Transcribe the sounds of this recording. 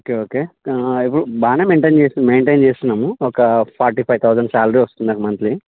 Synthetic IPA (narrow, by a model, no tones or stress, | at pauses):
oːkeːoːkeːip̬ːuɽubaːnemeːɳʈent͡ʃeːst̪ind̪imeːɳʈeːnt͡ʃeːst̪unːɐmuɔkɐpʰaːɾʈiːpʰɐjt̪ʰɐwd͡ʒɐɳɖsaːlɐɾiʋɐst̪und̪ɐkɐmɐnt̪li